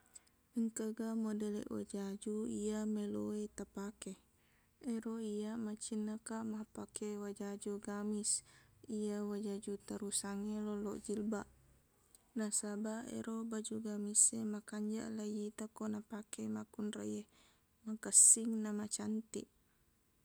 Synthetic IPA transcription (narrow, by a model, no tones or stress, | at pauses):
əŋkəɡamodəlɛ̰ʔwa̰d͡ʒad͡ʒuiameloet̪apake | eɾoijamat͡ʃinəkaʔmahpakewad͡ʒad͡ʒuɡamisijawad͡ʒad͡ʒut̪aɾusaŋelɔlɔ̰ʔd͡ʒilbaʔ | nasabaḛɾobad͡ʒuɡamisemakaɲd͡ʒa̰ʔlajit̪akonapakemakunrḛje | makəsiŋnamat͡ʃant̪ḭʔ